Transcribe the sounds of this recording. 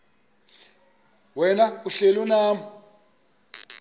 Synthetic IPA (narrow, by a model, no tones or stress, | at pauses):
wɛnauɬelunaːmɔ